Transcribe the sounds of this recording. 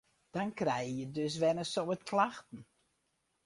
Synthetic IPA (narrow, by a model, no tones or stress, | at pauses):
d̥ɑnkrɛjjədøs̬ʋɛnəsoətkʰlaxtən̩